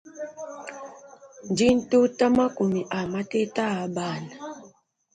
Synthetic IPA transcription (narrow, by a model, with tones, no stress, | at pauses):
n˨d͡ʒi˦n̩˦tu˦ta˦ma˦ku˨mi˨ʔa˨ma˦te˦ta˦a˨˦ɓa˦˨na˨